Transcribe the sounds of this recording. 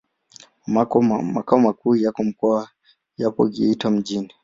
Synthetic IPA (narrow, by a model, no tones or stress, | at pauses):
mamakaɔmakuːjakɔm̩kɔa | japɔ̰ɡḭitwam̩d͡ʒini